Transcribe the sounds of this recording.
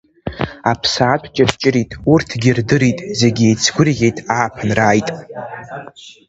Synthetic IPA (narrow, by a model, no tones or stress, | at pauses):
apʰsaːtʷʰʼt͡ʃʼadt͡ʃʼɪɾitʼurtʰɡʲirdɨɾitʼze̞ɡʲiejt͡sʰɡʷʊrʁʲe̞jtʼaːpʰanraːjtʼ